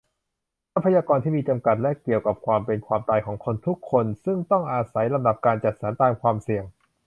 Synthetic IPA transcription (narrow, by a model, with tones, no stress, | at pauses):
ʔa˦˥pʰːa˧jaː˧kɔː˧nt̪ʰiː˥˩miː˧t͡ɕa˧mka˨˩t̪̚lɛ˦˥ki˨˩əwka˨˩p̚kʰwaː˧mpe˧nkʰwaː˧mt̪aː˧jkʰɔː˩˦ŋkʰo˧nt̪ʰu˦˥kʰːo˧nsɯ˥˩ŋt̪ɔ˥˩ŋʔaː˧sa˩˦jla˧mda˨˩p̚kaː˧nt͡ɕa˨˩t̪̚sa˩˦nt̪aː˧mkʰwaː˧msi˨˩əŋ